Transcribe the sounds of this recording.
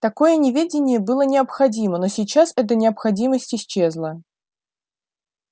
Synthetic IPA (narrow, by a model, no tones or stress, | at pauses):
t̪ɐko̞jənʲɪvʲedʲɪnʲɪjəbɨlˠənʲɪɐpxɐdʲiməno̞sʲɪjt͡ɕasɛt̪̬ənʲɪɐpxɐdʲiməsʲtʲɪsʲt͡ɕːe̞zlˠə